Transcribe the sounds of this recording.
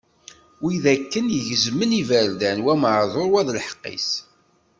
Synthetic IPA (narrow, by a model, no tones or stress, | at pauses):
wiðækːənjəʝəzmənivæɾd̪ænwæmʕðˤoɾwæðlħə̥qːḭs